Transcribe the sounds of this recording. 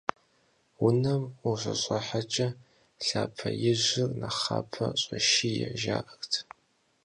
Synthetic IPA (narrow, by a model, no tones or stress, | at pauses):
wʊnɐmuɕʷʼɐɕʼɐħat͡ʃʼɐ | ɬaːpʰɐjɪʑɪrnɐχaːpʰɐɕʼɐʃijɛʒaːʔɐxtʰ